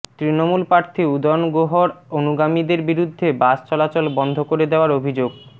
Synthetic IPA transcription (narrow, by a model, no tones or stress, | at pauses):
t̪ɾinomulpɾaɾt̪ʰiud̪ɔnɡoɦoɾonuɡamid̪eɾbiɾud̪ʱːebast͡ɕɔlat͡ɕɔlbɔnd̪ʱokoɾed̪eoaɾobʱid͡ʑoɡ